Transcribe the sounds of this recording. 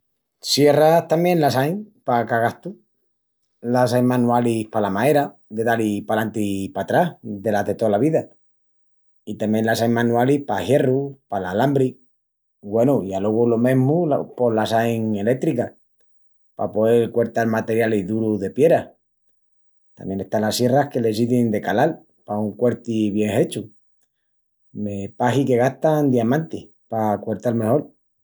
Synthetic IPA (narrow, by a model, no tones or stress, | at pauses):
sje̞raht̪amjẽ̞nlasajŋpakaɣaht̪u | lasajmãnualihpalamae̞ɾa | d̪e̞ðalipalant̪ipat̪ɾahðe̞laɦðe̞t̪o̞laβiða | it̪amje̞nlasajŋmãnualihpahje̞rupalalambɾi | ɡwe̞nuialoɣulo̞mẽ̞ɦmṵpo̞lasajŋe̞le̞k̚t̪ɾika | pa̰poelkwe̞ɾt̪almat̪e̞ɾjaliðuɾuðe̞pje̞ɾa | t̪a̰mje̞ne̞st̪anlasje̞rahke̞le̞siðend̪e̞kalal | pauŋkwe̞ɾt̪iβje̞ŋhe̞t͡ʃu | mepaɦike̞ɣ̞aht̪and̪iamãnt̪i | pakwe̞ɾt̪alme̞ho̞l